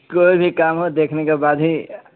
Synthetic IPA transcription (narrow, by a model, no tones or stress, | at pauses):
koːibʱikaːmɦod̪eːkʰnekebaːd̪ʱɦi